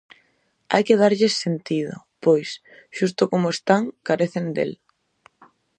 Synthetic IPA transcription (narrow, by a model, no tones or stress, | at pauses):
a̰jkeðaɾʎɪsːent̪iðʊ̰ | pojs | ʃust̪ʊkomʊest̪aŋkaɾeθend̪ḛl